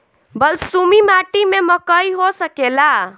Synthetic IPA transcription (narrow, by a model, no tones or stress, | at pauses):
bəlsumimaʈimeməkəjiɦosəkela